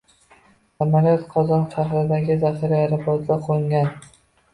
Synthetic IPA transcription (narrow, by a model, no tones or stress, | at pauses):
samalijɒt̪qʰɒzɒnʃaχɾɪd̪aɡʲɪzafɪɾɪaɾɪpʰɒt̪d̪aqʰoɪŋɡʲan